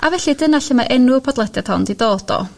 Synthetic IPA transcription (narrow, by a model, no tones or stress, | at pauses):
ʔavɛɬidənaɬəmaʔɛnʊpʰɔdlˠɛdjad̥ʰhɔndidoːd̥ɔ̰